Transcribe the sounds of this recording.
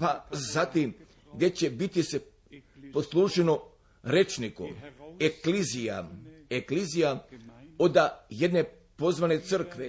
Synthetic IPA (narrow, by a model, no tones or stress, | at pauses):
pazat̪im | ɡd̪e̞t͡ɕe̞bit̪ise | poslˠuːʒeno | ɾet͡ʃnikṵmeklizija̰eklizijaod̪aje̞d̪ne̞ | po̞zʋane̞t̪sər̩kʋe